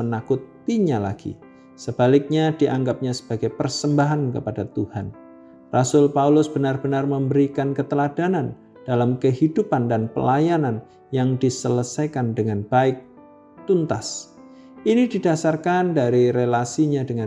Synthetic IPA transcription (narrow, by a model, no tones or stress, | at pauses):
mənakʊt̪ː | iɲala̰ɡ̥ḭ | səb̥alɪk̚ɲadiʔaŋɡap̚ɲasə̥b̥aɡajpərsəmbaɦankə̰padat̪uhan | rasʊlpaulʊsb̥ənarb̥ənarməmbəɾikankət̪əladanan | d̥alamkəɦidupandanpə̰lajanan | jaŋdisələsajkandəŋanb̥aɪk̚ | t̪unt̪as | inididasarkandaɾiɾelasiɲadəŋa